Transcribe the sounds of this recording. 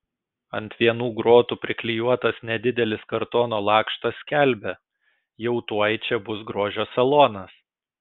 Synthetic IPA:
ɐ̰nt̪ʲʋʲiɛnuːɡɾoːt̪uːpʲɾʲɪklʲɪjuɔt̪ɐsnʲɛd̪ʲɪd̪ʲɛlʲɪskɐɾt̪oːnoːlˠɑːkʃt̪ɐsʲkʲæˑlʲbʲɛ | jɛʊt̪uɔjt͡ʃʲɛbʊsɡɾoːʒʲoːsʲɛlˠoːnɐs

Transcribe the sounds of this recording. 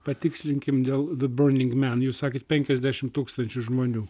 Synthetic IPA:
pɐt̪ʲɪksʲlʲɪŋʲkʲɪmd̪ʲeːlˠðɨbɜɾnʲɪŋɡmʲænjuːsɑːkʲɪːt̪̚pʲɛŋʲkʲɛzʲd̪ʲæʃʲɪmt̪uːkst̪ɐnʲt͡ʃʲʊʒmoːnʲuː

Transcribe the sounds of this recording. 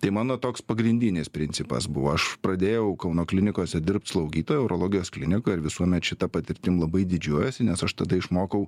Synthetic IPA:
t̪ɐɪmɑːnoːt̪oːkspɐɡɾʲɪnʲd̪ʲɪnʲɪspʲɾʲɪnʲt͡s̪ʲɪpɐ̰sbʊʋoːɐʃpɾɐd̪ʲeːjɛʊkɐʊnoːklʲɪnʲɪkoːsʲɛd̪ʲɪrp̚t̪slˠɐʊɡʲiːt̪oːjɛɛʊɾoːlˠoːɡʲɪjoːsklʲɪnʲɪkojɪɾʋʲɪsuɔmʲɛt̪ʃʲɪt̪ɐpɐt̪ʲɪɾʲt̪ʲɪmlˠɐbɐɪd̪ʲɪd͡ʒʲuɔjɛsʲɪnʲɛsɐʃt̪ɐd̪ɐɪʃmoːkɐʊ

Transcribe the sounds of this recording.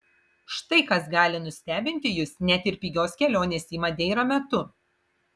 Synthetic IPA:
ʃt̪ɐɪkɐsɡɑːlʲɪnʊsʲt̪ʲæːbʲɪnʲt̪ʲɪjʊsnʲɛt̪ʲɪɾʲpʲiːɡʲoːskʲɛlʲoːnʲeːsʲiːmɐd̪ʲɛɪɾɐmʲɛt̪ʊ

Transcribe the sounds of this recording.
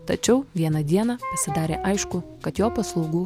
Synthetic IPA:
t̪ɐt͡ʃʲɛʊʋʲiɛnɐd̪ʲiɛnɐpɐsʲɪd̪ɑːɾʲḛːʔɐɪʃkʊkɐt̪joːpɐslˠɐʊɡuː

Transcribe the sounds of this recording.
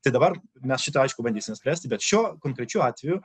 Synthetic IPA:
t̪ɐɪd̪ɐbɐrmʲɛsʃʲɪt̪ɐɐɪʃkʊbɐnʲd̪ʲiːsʲɪmʲɛsʲpʲɾʲæːsʲt̪ʲɪbʲɛt̪ʃʲuɔkoːŋkɾʲɛt͡ʃʲuːɑːt̪ʲʋʲɛjʊ

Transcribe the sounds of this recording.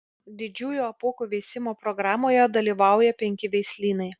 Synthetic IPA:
d̪ʲɪd͡ʒʲuːjuːɐpuːkuːʋʲɛɪsʲɪmoːpɾɔɡɾɑːmoːjɛd̪ɐlʲiːʋɑˑʊjɛpʲɛŋʲkʲɪʋʲɛɪsʲlʲiːnɐɪ

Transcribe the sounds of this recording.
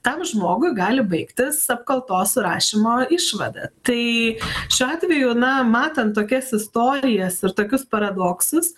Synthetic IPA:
t̪ɐmʒmoːɡʊɪɡɑːlʲɪbɐɪkt̪ʲɪsɐpkɐlˠt̪oːsɾɑːʃʲɪmoːɪʃʋɐ̰d̪ɐ̰t̪ɐɪʃʲʊːɑːt̪ʲʋʲɛjʊnɐmɑːt̪ɐnt̪t̪ːoːkʲɛsɪst̪oːɾʲɪjɛsɪɾt̪oːkʲʊspɐɾɐd̪oːksʊs

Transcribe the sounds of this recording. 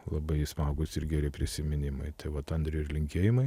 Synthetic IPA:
lˠɐbɐɪsmɑːɡʊsɪrɡʲæːɾʲɪpʲɾʲɪsʲɪmʲɪnʲɪmɐ̰ɪt̪ɐɪʋɐt̪ɐnd̪ʲɾʲɪɪrlʲɪŋʲkʲeːjɪmɐɪ

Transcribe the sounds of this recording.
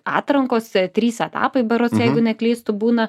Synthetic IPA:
ɑ̰ːt̪ɾɐŋkoːst̪ʲɾʲiːsɛt̪ɑ̰ːpɐɪbɐɾʊsjɛɪɡʊnʲɛklʲiːst̪ʊbuːnɐ

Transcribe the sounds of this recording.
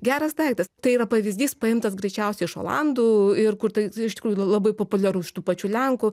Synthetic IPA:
ɡʲæːɾɐsd̪ɐɪkt̪ɐst̪ɐɪiːɾɐpɐʋʲɪzʲd̪ʲiːspɐɪmt̪ɐsɡɾʲɛɪt͡ʃʲɛʊsʲɛɪɪʃo̰ːlˠɑ̰nd̪uːɪrkʊrt̪ɐɪɪʃt̪ʲɪkɾuːjʊlˠɐbɐɪpoːpʊlʲɛɾuːʃʲɪ̥t̪uːpɐt͡ʃʲuːlʲɛŋkʊ

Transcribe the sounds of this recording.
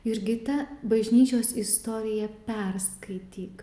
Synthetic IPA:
ɪɾɡʲɪt̪ɐbɐʒʲnʲiːt͡ʃʲoːsɪst̪oːɾʲɪjɛpʲɛrskɐɪt̪ʲiːk

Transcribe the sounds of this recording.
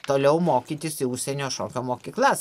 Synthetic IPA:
t̪oːlʲɛʊmoːkʲiːt̪ʲɪsɪʊʃʲsʲɛnʲoːʃoːkʲoːmoːkʲiːklˠɐs

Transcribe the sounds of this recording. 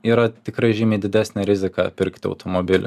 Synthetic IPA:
iːɾɐt̪ʲɪkɾɐɪʒʲɪmʲeːd̪ʲɪd̪ʲæsʲnʲɛɾʲɪzʲɪkɑɐpʲɪɾʲkt̪ʲɪɐ̰ʊt̪omobʲɪlʲʊ̰

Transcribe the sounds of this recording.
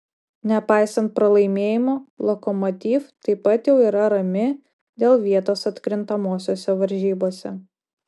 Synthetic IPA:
nʲɛpɑɪsɐnt̪̚pɾɐlˠɐɪmʲeːjɪmoːlˠɔkɔmɔt̪ʲiːft̪ɐɪpɐt̪jɛʊiːɾɐɾɐmʲɪ | d̪ʲeːlˠʋʲiɛt̪oːsɐt̪ʲkɾʲɪnt̪ɐmoːsʲoːsʲɛʋɐɾʲʒʲiːboːsʲɛ

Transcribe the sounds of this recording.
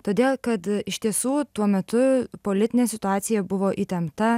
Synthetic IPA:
t̪oːd̪ʲeːlˠkɐt̪ɪʃʲt̪ʲiɛsuːt̪uɔmʲɛt̪ʊpoːlʲɪt̪ʲɪnʲeːsʲɪt̪ʊɑːt̪sʲɪjɛbʊʋoːʔiːt̪ʲɛmt̪ɐ

